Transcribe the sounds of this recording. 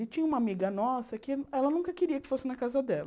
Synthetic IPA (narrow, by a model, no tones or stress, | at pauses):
ɪt͡ʃĩɲũmɐamiɡɐnɔsɐkɪɛlɐnũŋkɐkɪɾiɐkɪ̥fosɪnɐkazɐd̪ɛlɐ